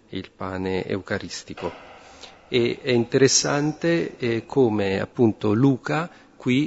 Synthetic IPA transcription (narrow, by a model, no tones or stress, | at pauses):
ilpaːneḛukaɾist̪iko | eɛint̪eɾesːant̪ekʰoːmea̰pːunt̪oluːka | kwi